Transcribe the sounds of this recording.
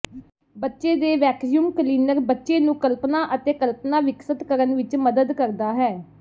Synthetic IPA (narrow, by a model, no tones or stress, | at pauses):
bətːʃeːd̪eːʋɛːksijumkəliːnəɾbətːʃeːnũːkəlpnaːʔət̪eːkəlpnaːʋɪksət̪kəɾənʋɪt͡ʃməd̪əd̪kəɾd̪aːɦɛː